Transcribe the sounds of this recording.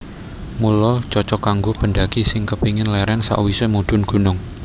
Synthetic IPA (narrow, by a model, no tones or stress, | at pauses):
mulʊlt͡ʃɔt͡ʃɔkaŋɡob̥əɳɖaɡ̥isɪŋkəpiŋɪnlɛɾɛnsa̰ʔwisɛmud̪̥ʊ̤nɡ̥ṳnʊŋ